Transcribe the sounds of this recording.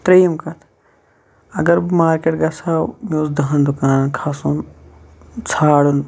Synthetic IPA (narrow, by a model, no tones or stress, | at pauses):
t̪ɾejɐmkɐt̪ʰ | ɐɡɐɾbmaːɾkeːʈɡɐsaːwmoːzd̪ɐɦɐnd̪ʊkaːnnkʰaːsuːn | t͡sʰaːɽun